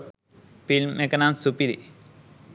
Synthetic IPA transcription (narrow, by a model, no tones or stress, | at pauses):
filmekɐnansupiɾḭ